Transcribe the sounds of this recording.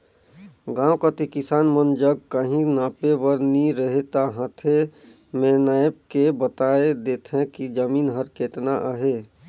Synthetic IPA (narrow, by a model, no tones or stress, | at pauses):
ɡãːwkat̪ikɪsaːnmənd͡ʒəɡ̚kəɦĩnaːpeʋəɾniɾəɦet̪aɦãt̪ʰe | mẽnaːəb̚kebət̪aːed̪eːt̪ʰɦɛ̃kid͡ʒəmiːnɦəɾkeːt̪naʔəɦeː